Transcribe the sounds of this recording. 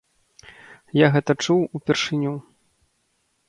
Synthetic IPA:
jaɣɛt̪ɐt͡ʂuwupʲɛrʂɨnʲu

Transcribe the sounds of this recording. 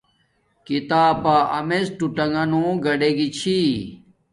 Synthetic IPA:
kit̪aːpaʔɐmesʈuʈɐŋɡɐnõːɡɐɖeɡit͡ɕʰi

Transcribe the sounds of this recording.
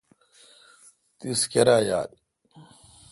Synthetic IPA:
t̪iskeɾaːja̰ːd

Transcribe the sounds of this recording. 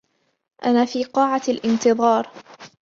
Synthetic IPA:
ʔanaːfiːqɑːʕalʔɪnt̪ɨðˤɑːɾˤ

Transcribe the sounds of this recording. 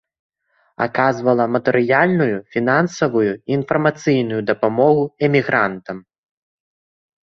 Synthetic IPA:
a̰kazvɐlˠɐmɐt̪ɛɾɨjalʲnujufʲinansɐvujuinfɐrmat̪sɨjnujud̪ɐpamɔɣuɛmʲiɣɾant̪ɐm

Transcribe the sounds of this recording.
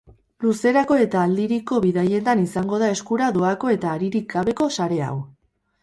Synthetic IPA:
luse̞ɾako̞e̞t̪aːld̪iɾiko̞βiðaje̞t̪anisaŋɡo̞ð̞ae̞skuɾaðo̞ako̞e̞t̪aːɾiɾikɡaβe̞ko̞saɾe̞a̰w

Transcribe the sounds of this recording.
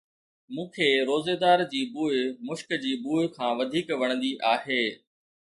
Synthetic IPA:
mũːkʰeːɾoːzed̪aːɾd͡ʑiːbuːɪmʊʃkd͡ʑiːbuːɪkʰãːʋɐd̪ʱiːkʋɐɽ̃ənd̪iʔaːɦeː

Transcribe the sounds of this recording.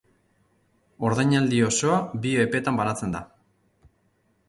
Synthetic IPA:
o̞ɾðajɲald̪io̞so̞abioepe̞t̪ambanat͡se̞nd̪a

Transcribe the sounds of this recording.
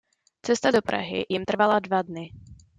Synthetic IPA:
t͡sɛst̪adopɾa̰ɦɪ̰jɪmt̪r̩valadvadnɪ

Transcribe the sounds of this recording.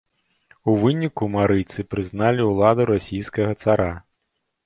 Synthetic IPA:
uvɨnʲikumaɾɨt̪sɨpɾɨznalʲiulˠad̪uɾasʲijskɐɣɐt̪saɾa

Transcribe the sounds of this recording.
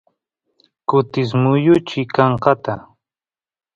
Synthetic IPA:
kʊt̪ɪs̬mʊjʊt͡ʃɪkɑɴqɑt̪a

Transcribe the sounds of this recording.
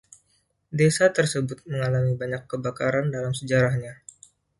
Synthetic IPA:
desat̪ərsəbʊt̪̚məŋalamibaɲakːəbakaɾandalamsəd͡ʒaɾahɲa

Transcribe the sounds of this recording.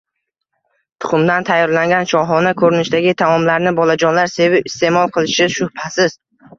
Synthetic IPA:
t̪ʰʊ̥χʊmd̪ant̪ʰajːɒɾlaŋɡʲanʃɒɦɒnakʰɵɾɪnɪʃd̪aɡʲɪt̪ʰamɒmlaɾnɪbɒlˠad͡ʒɒnlaɾse̞vɪbɪst̪e̞mɒlˠqʰɨlˠɪʃɪʃʊhpʰasɪz̥

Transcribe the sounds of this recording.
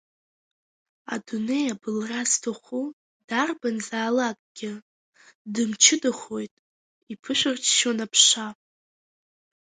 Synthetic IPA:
a̰dune̞jabɨlraztʰoχʷu | darbanzaːlakʼɡ̥ʲɪ | dɨmt͡ʃʰɪdɨχo̞jtʼ | ipʰɨʃʷᶣɨrt͡ʃʰʃonapʰʂa

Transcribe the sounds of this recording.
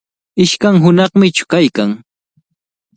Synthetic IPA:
ɪʃkaŋɦʊnɑχmɪt͡ʃʊ̥kajkaŋ

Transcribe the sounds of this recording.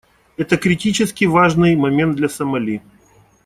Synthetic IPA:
ɛt̪əkɾʲɪtʲit͡ɕɪskʲɪvaʐnɨjmɐmʲe̞nd̪lʲɐsəmɐlʲi

